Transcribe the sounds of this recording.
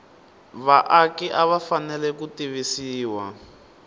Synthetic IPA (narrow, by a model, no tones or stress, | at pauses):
βaʔakiʔaβafanɛlɛkutiβisiːwa̰